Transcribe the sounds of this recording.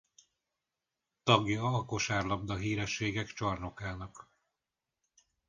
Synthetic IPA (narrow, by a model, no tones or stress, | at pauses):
t̪ɒɡjɒɒko̞ʃaːrlɒb̚d̪ɒɦiːɾɛʃːeːɡɛkt͡ʃɒrno̞kaːnɒk